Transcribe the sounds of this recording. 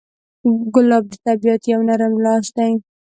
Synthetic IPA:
ɡʊlɑb̚d̪ət̪abijat̪jawnaɾamlɑʃd̪aj

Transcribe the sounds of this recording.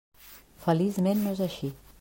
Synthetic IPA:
fəlizmenːoezaʃi

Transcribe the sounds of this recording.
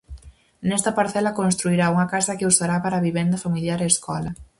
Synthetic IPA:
nɛst̪ɐpaɾθɛlɐkonst̪ɾuiɾauŋɐkasɐkɪusaɾapaɾaβiβɛnd̪ɐfamiljaɾeːskɔlɐ

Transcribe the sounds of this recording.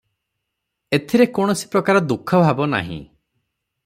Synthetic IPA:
et̪ʰiɾekɔɽ̃ɔsi̥pɾɔkaɾɔd̪ukʰɔbʱabɔna̰ɦḭ̃

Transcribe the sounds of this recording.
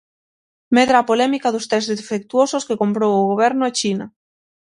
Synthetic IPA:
meðɾaːpolemikaðost̪ɾezðefek̚t̪uososkekompɾowoɣoβ̞eɾnoet͡ʃina

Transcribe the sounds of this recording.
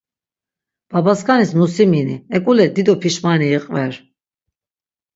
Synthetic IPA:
b̥abaskʰanismusiminḭɛkʼulɛd̪id̪ɔpʰiʃmaniːqʼvɛɾ

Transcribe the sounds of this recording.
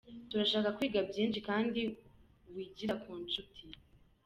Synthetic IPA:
tuɾaʃaːkakwiːɡabjiːnʃikaːndi | βwiːɟiɾakʰuːnt͡ʃutʰi

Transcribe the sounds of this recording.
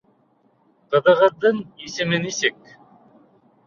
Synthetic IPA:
q̪ɤ̆ðɤ̆ʁɤ̆ðːɤɴisɘ̆mɘnisɘk̚

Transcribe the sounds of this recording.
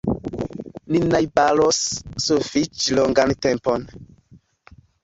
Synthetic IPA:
ninajbalɔsːufit͡ʃlɔŋɡantɛmpon

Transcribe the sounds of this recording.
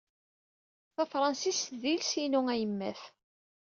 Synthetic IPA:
θæfɾˤɑnsisðilsinuŋæjəmːæ̰θ

